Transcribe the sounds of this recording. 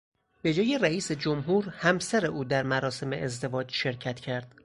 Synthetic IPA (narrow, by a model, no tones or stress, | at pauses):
b̥e̞d͡ʒɒːje̞ræiːsed͡ʒomɦuːɾhæmsæɾe̞ʔuːd̪æɾmæɾɒːse̞me̞ʔezd̪e̞vɒːd͡ʒʃe̞ɾcʰæt̪ʰcʰæɾd̪̥